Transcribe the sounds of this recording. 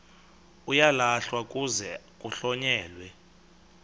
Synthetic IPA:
ujalaɬwakʼuzɛ | kʼuɬɔɲɛːlwɛ

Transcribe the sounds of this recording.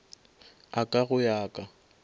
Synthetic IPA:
akʼaɣʊjaːkʼa

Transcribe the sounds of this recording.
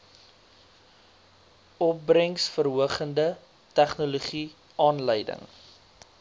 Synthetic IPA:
ʔɔp̚brəŋsfərɦuəχəndə | tæχnuluχi | ʔɑːnləjdə̰ŋ

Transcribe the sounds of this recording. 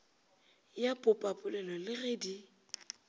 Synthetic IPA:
japʼʊpʼapʼʊlɛlɔlɪreːdi

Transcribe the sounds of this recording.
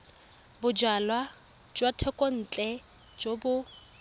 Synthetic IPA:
bʊd͡ʒalwa | d͡ʒwatʰɛkʼon̩ːt͡ɬʼɛ | d͡ʒobʊ

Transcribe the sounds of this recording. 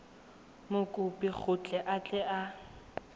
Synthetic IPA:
mʊkʼʊpʼik͡xʰʊt͡ɬʼɛʔat͡ɬʼɛʔa

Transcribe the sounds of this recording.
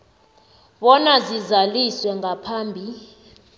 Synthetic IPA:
ɓɔnazizaliswɛŋɡʱapʰaːmbʱi

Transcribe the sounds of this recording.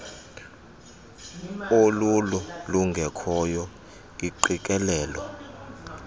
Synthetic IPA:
olululuŋɡʱɛkʰɔjɔ | iǃikʼɛlɛːlɔ

